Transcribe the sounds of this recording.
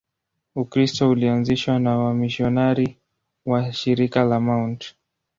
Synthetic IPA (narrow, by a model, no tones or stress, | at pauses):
ukɾistɔulianziʃwanawamiʃiɔnaɾi | waʃiɾikalamaunt